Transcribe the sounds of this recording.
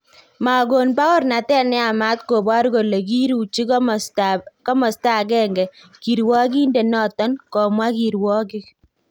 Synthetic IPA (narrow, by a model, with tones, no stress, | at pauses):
ma˨ɡo˨npa˦kɔ˦ɾna˨tɛ˦nɛ˦a˨ma˦tko˨ba˦ɾko˨le˨ki˦ɾu˨t͡ʃi˦k | kɔ˦mɔ˨sta˦˨kɛ˦ŋɡɛ˨ | ki˨ɾwɔ˦k̬i˦nde˨nɔ˦˨tɔ˦nkɔ˨mwa˦ki˨ɾwɔ˦kɪ˦k